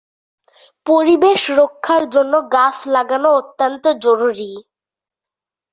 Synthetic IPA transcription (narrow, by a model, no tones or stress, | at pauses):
poɾibeʃɾokʰːaɾd͡ʑonːoɡat͡ɕʰlaɡanoot̪ːant̪od͡ʑoɾuɾi